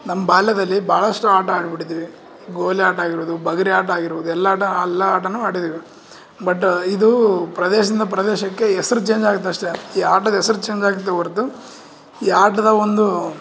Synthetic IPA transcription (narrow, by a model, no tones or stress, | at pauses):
nɐmːɐbaːlːɐd̪ɐlːibʱaːɭɐʂʈuaːʈɐaːɖbiʈid̪iːʋi | ɡoːliaːʈaːɡiɾʋuːd̪ubɐɡɐɾiaːʈaːɡiɾʋud̪uɛlːɐaːʈɐːlːɐaːʈɐnːuaːɽid̪iːʋi | bɐʈːid̪upɾɐd̪eːʃɐd̪ind̪ɐpɾɐd̪eːʃɐkːe̞ɛsɐɾut͡ʃe̞ːɲd͡ʒaːɡut̪̬ːeɐʂʈe̞iːaːʈɐd̪ɐɛsɐɾut͡ʃe̞ːɲd͡ʒaːɡut̪̬ːeɐɾt̪ːu | iːaːʈɐd̪ɐond̪u